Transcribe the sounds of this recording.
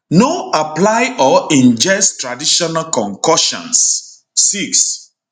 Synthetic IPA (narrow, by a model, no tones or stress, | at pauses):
noaplajɔĩnd͡ʒɛstɹadiʃɔnalkɔ̃ŋkɔʃɔ̰̃nsː | iks